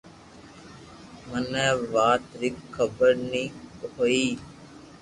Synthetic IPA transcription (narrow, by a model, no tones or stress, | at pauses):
mənɛ̃ːʋaːt̪ɾɪkʰːəbəɾniːkoːiː